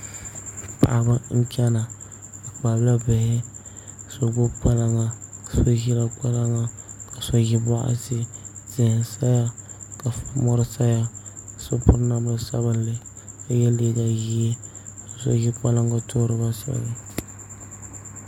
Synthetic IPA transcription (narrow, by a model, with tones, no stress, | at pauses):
pa̰˨ʔa˨ba˦ŋ̩˦kʲɛ˦na˨ | a˨k͡pa˨bla˦bɪ˨hɪ˦˨ | so˨ɡo˦k͡pa˦la˨ŋa˨ka˨so˦ji˦la˦k͡pa˦la˦ŋa˦ka˨so˦ji˦ba˦ʔa̰˦sɪ˦z̥ɪ˨hsa˦ja˦ka˨fa˨mɔ˦ɾɪ˦sa˦ja˦˨so˦pʊ˦ɾna˨m˦a˦sa̰˦bɨ˦n˦lɪ˦ | ka˨jɛ˦le˨da˨ji˦e˦ka˨sɔ̰˨ji˦k͡pa˦la˦ŋɡa˦tʰo˦ɾɨ˦ba˦sɔ̰˨lɪ˦